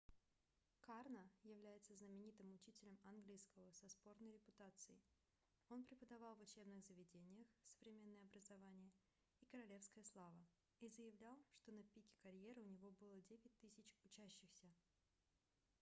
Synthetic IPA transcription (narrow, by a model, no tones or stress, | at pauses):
karnəjɪvlʲæjɪt̪səznəmʲɪnʲit̪ɨmʊt͡ɕitʲɪlʲəmanɡlʲijskəvəsɐspo̞rnəjɾʲɪpʊt̪at̪sɨɪ | o̞npɾʲɪpəd̪ɐvɑlˠvʊt͡ɕe̞bnɨɣzəvʲɪdʲenʲɪjəxsə̥vɾʲɪmʲe̞nːəjəɐbɾəzɐvanʲɪjə | ikəɾɐlʲe̞fskəjəslˠavə | izəjɪvlʲalˠʂt̪o̞nəpʲikʲɪ̥kɐɾʲje̞ɾɨʊnʲɪvo̞bɨlˠədʲevʲɪt̚ʲt̪ɨsʲɪt͡ɕʊt͡ɕæɕːɪxsʲə